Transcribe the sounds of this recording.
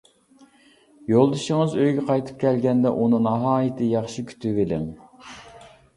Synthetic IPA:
jolˠd̪ɨʃɪŋɨzøjɡʲɛqʰɑjt̪ʰɨ̥p̚kʲʰɛlɡʲɛnd̪ɛʔunɨŋnɑɦɑːjɪt̪ʰɪjɑχʃikʲʰy̥t̪ʰyvɪlɪ̰ŋ

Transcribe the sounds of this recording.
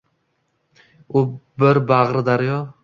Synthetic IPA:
ʊbɪɾbaʁɾɨd̪aɾjɒ

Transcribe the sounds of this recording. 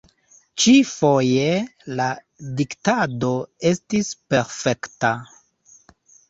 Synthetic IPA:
t͡ʃifo̞je̞la | diktado̞e̞stispe̞ɾfe̞kta

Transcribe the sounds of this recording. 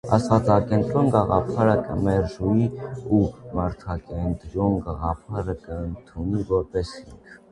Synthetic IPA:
ɑ̰svɑt͡sɑkɛnt̪ɾɔnɡɑʁɑ̰pʰɑɾəkə̰mɛɾʒuiumɑɾt̪ʰɑkɛnt̪ɾɔnɡɑʁɑpʰɑɾəkəənt̪ʰunivɔɾpɛshiŋkʰ

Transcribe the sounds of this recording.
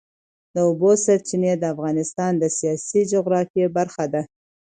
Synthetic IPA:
d̪əʊbosaɾt͡ʃɪned̪əafɣɑnɪst̪ɑnd̪əsijɑsid͡ʒoɣɾɑfjebaɾxad̪a

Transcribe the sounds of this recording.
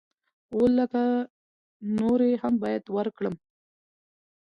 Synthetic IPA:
olːəka | noɾehambɑjad̪wəɾkɽəm

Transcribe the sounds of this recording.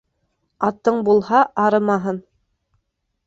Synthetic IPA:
ɑt̪ːɤɴbulˠhɑʔɑɾɤmɑɦɤn

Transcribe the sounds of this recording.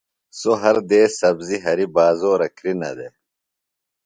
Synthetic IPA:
soɦɐɾd̪eːsɐbziɦɐɾibaːzoːɾɐkɾinɐ̰d̪e

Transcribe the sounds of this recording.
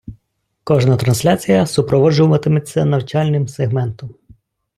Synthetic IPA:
kɔʒnɐt̪ɾɐnsʲlʲat͡sʲijɐsʊpɾɔʋɔd͡ʒʊmɐt̪ɪmɪt̚ʲt͡sʲɐnɐwt͡ʃɑlʲnɪmseɦmɛnt̪ɔm

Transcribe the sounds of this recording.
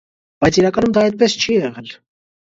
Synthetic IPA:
b̥ɑjt͡sʰiɾɑkɑnumd̪ɑɛjt̪̚pɛst͡ʃʰijɛʁɛl

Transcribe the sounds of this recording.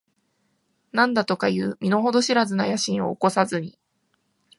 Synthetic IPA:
nãnd̪at̪o̞kajɯːmʲino̞ɦo̞d̪o̞ɕiɾazɨnajaɕĩɰ̃o̞̰ːko̞sazɨɲ̟i

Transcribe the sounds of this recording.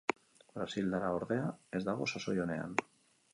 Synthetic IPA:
bɾasild̪aɾaoɾðeaezðaɣosasojonea̰n

